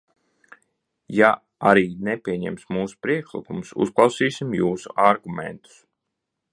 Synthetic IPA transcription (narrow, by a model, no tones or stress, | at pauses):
ja | aɾiːnɛpʲiɛɲɛmsmuːsu̥pɾiɛkʃlˠikumsṵsklˠɑwsiːsimjuːsuʔaɾɡumɛ̰nt̪u̥s